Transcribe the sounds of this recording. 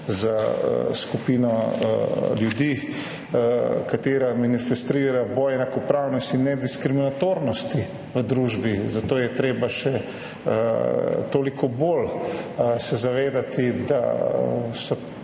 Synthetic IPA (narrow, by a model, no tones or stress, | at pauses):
za̰skupiːnɔ | ljud̪i | kat̪eːɾamanifɛst̪ɾiːɾabɔːjɛnakɔpɾawnɔst̪inːɛd̪iskɾiminat̪oːɾnɔst̪i | ʋəd̪ɾuːʒbizat̪oːjɛt̪ɾeːbaʃɛ | t̪oːlikʰɔbol | sɛzaʋeːd̪at̪id̪a̰ | sɔ